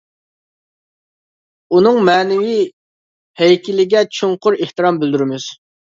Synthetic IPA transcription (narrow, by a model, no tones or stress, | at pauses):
unɨŋmɛːnɪwi | hɛjkʲʰilːɪɡʲɛt͡ʃʰoŋqʊɾeht̪ɨɾɑmbyld̪yɾɪmyz̥